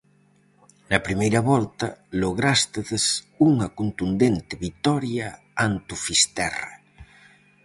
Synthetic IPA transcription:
nɐpɾimejɾɐβɔlt̪ɐloɣ̞ɾast̪eðes | uŋɐkunt̪und̪ent̪eβit̪ɔɾja | ant̪ufist̪ɛra̰

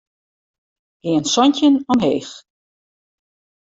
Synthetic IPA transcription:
ɡ̥ɪːənsɔncənɔmɦeːx

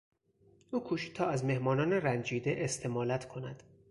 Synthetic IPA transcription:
ʔuːkʰuːʃit̪ʰɒːæzme̞hmɒːnɒːneɾænd͡ʒiːd̪eʔest̪ʰe̞mɒːlæt̪ʰkʰo̞næd̪̥

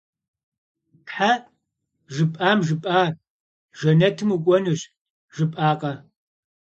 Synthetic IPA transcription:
tħa | ʒɨpʼaːmʒɨpʼaː | ʒɐnɐtʰɨmukʷʼɔnuɕ | ʒɨpʼaːqʼɐ

